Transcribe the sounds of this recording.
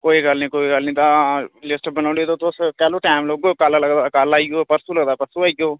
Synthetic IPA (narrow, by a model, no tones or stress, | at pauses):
koːiːɡəlnĩːkoːiːɡəlnĩːt̪ãlɪsʈbənaːɖiːt̪oːt̪oskɛːloːʈaːmloːɡokalləɡd̪aːkaːlaːiɡoːpəɾsuːləɡd̪aːpəɾsuːaːiɡoː